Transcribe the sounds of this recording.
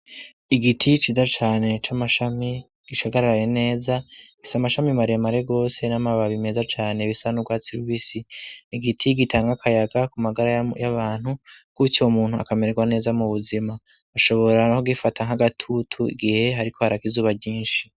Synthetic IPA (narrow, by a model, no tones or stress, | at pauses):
iɡitʰit͡ʃiːzat͡ʃaːne̞t͡ʃamaʃami | ɡ̥iʃaɡaɾaɾajene̞ːzaɡisamaʃamimaɾiemaɾe̞ɡo̞ːse̞namaβaβime̞zat͡ʃaːne̞βisanuɡwaːt͡siɾuwisiniɡitʰiɡitʰaːŋɡakʰajaɡakumaɡaɾajaβaːn̥hukucomuːn̥hua̰kame̞ɾeɡwane̞ːzamuβuzima | aʃo̞βo̞ɾahoɡifatʰaŋ̥aɡatʰutʰuḭɡihe̞ɦaɾiko̞haɾakizuːβabɟiːnʃi̥